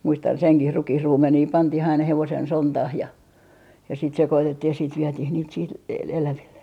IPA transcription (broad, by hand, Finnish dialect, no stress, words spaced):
muistɑn seŋkih rukihruːmeniː pɑntih ɑinɑ heʋosen sontɑh jɑ jɑ sit sekotetːih jɑ siːt ʋietih niːt siːt e elæʋilːe